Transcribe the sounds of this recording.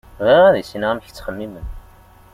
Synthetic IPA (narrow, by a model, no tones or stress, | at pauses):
væʁæðisinʁæmç̥t͡sːχəmːimən